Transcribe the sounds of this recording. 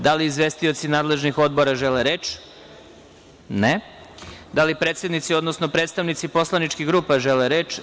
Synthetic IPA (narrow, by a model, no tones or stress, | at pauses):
d̪aliːzʋe̞st̪io̞t̪sinaːd̪le̞ʒnixo̞d̪bo̞ɾaʒeleɾeːt͡ʃ | ne | d̪alipɾeːt̪se̞d̪nit̪sio̞d̪no̞snopɾet̪st̪aʋnit̪sipo̞slˠanit͡ʃkiɣɡɾuːpaʒeleɾeːt͡ʃ